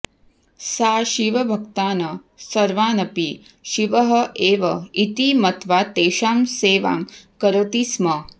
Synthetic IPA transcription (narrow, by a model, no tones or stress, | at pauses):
saːʃiʋɐbʱɐkt̪aːnɐ | sɐɾʋaːnɐpi | ʃiʋɐɦɐʔeːʋɐit̪imɐt̪ʋaːt̪eːʃaːmseːʋa̰ːmkɐɾɐt̪ismɐ